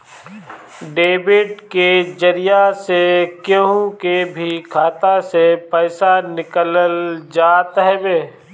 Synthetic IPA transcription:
ɖeːbɪɖked͡ʒəɾijasekjõũkebʱikʰaːt̪asepəɪsanɪkələld͡ʒaːt̪ɦɛbeː

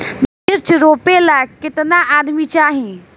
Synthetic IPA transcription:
b | ɪɾt͡ʃɾoːpelakɪt̪naʔaːd̪mit͡ʃaːɦĩ

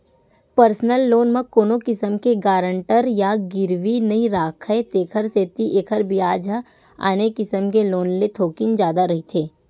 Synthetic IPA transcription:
pəɾsnəlːoːnmɐ̃koːnokɪsəmkeɡaːɾə̃ɳʈəɾjaɡɪɾʋinɐĩɾaːkʰəet̪eːkʰəɾseːt̪iʔeːkʰəɾbɪjaːd͡ʒa | a̰ːnekɪsəmkeloːnlet̪ʰoːkɪnd͡ʒjaːd̪aɾɐɦit̪ʰeː

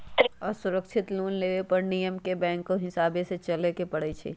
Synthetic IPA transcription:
ɔːɾsʊɾəkʃʰɪt̪luːnleːʋepɐɾnijəmkebɛ̃ːŋkːoɦɪsaːbẽset͡ʃɐlekepɐɽet͡ʃʰḛː

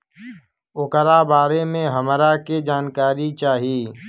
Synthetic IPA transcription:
ʊkəɾabaːɾemẽɦəmɾaked͡ʒaːnkaːɾit͡ʃaːɦiː

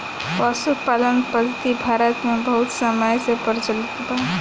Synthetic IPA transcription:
pasupalənpəd̪ʱt̪ibʱaɾət̪mẽbəɦʊt̪səməjsepəɾt͡ʃəlik̪ba

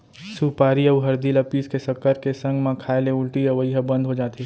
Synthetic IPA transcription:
suːpaːɾiɐʋɦɐɾd̪ilɐpiːskesɐkəɾkesɐ̃ŋɡmãkʰaːeleʊlʈiɐʋɐiɦəbɐ̃nd̪ɦod͡ʒaːt̪e

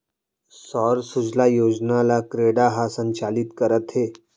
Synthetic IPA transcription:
sɔɾsud͡zʱlajod͡ʑnalakɾeɽaɦasəɲt͡ɕalit̪kəɾət̪ɦe

